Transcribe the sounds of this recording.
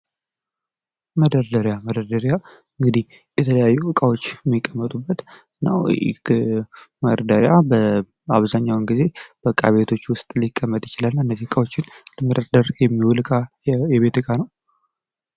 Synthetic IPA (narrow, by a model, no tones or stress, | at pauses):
məd̪əɾd̪əɾjaməd̪əɾd̪əɾja | ɨŋɡɨd̪ih | jɛt̪ʰələjajːuɨkʼawo̞t͡ʃːmːikʼːəmːət̪ʼubːət̪ɨnːa̰w̰ | məɾəd̪əɾjabə | aβzaɲːawɨŋɡize̞b̥əkʼːaβe̞t̪ʰo̞t͡ʃːwʊst̪ʼlikʼːəmːət̪ʼjɪt͡ʃɪlalːɨnːəzihɨkʼawot͡ʃːɪnləməd̪əɾd̪əɾjɛmːiwɔlɨkʼa | jɛβe̞t̪ɨkʼanəw